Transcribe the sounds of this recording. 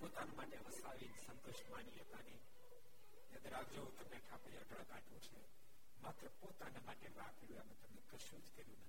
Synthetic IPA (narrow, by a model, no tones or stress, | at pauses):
pot̪anemaʈemə̃saʋinsə̃nt̪oʃmaniɦət̪ani | ed̪əɾaɡd͡ʒout̪əmneʈʰapujəʈəɭkaʈũt͡ʃʰe | mat̪ɾəpot̪anemaʈeʋakəɾjũamẽt̪əmnekəʃud͡ʒkəɾjũnət̪i